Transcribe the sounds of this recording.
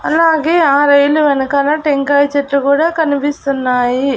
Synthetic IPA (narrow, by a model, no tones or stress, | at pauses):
ɐlaːɡeːaːɾɐjluʋɐnɐkɐlɐʈeŋkaːjt͡ʃɐʈlukuːɽaːkɐnipist̪unːaːji